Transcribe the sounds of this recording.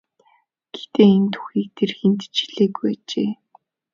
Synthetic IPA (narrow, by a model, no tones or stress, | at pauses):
ɡ̥e̥t̪eːint̪ʰu̥xiːk̚t̪ʰerxent̪t͡ɕʰi̥ɮeːɡujat͡ɕeː